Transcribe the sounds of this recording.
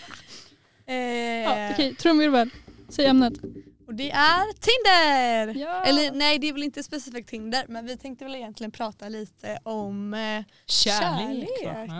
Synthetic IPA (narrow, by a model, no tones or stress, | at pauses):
ɔkʰɛjt̪ʰɾuːɾmɛɾvɛːlsɛjɛmnət̪ | ɔd̪ɛʔæɾt̪ʰɪnd̪əɾjɛlːəɾnɛjd̪ɛɛɾvɛlɪnt̪əspɛsɪfiːk̚t̪ʰːɪnd̪əɾmɛnvɪt̪ʰɛŋk̚t̪əvɛlɪjɛnt̪lɪɡənpʰɾɑːt̪aliːt̪ʰəʔɔm | ɕææːleː